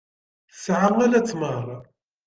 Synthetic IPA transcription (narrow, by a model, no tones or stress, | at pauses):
θəsʕaŋælæt͡sːmərˤ